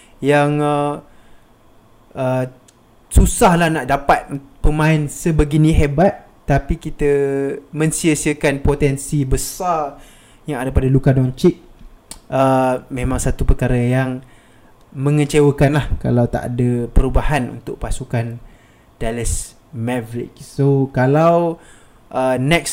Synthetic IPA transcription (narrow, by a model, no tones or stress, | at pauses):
jaŋə | ʔə | susahlahnaʔdapat̪̚pəmãɪnsəbəɡiniɦɛbat̪̚ | t̪ːapikit̪əmə̃nsiəsiəkanpot̪ɛnsibəsar | jaŋadəpadalukadɔnt͡ʃik̚ʔəmẽmãŋsat̪upərkaɾəjaŋ | mə̃ŋə̃t͡ʃewəkanlahka̰lawt̪a̰ʔa̰dəpəɾubaɦanṵnt̪ʊʔ̚pasukan | daləs | mɛvɾɪ̰t͡ʃsokalaw | ʔənɛks